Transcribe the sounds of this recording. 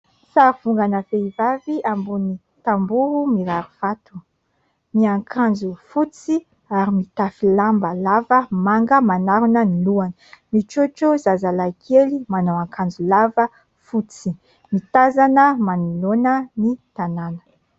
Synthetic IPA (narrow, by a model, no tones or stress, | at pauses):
saɾuv̥uŋɡanəveivaviʔambuni | t̪ambuɦumiɾaɾuv̥at̪u̥ | miaŋkʰand͡zufut͡si | aɾimit̪afilambəlavəmaŋɡəmanaɾunəniluanəmiʈ͡ʂot͡ʃozazalakʰelimanowaŋkʰand͡zulavə | fut͡si̥ | mit̪azanəmanulonənit̪ananə̥